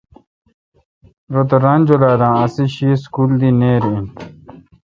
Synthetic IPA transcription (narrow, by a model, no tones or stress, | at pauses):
ɾot̪̬ɐɾand͡ʑolaːd̪ãːɐsiɕiskuːld̪ineːɾĩn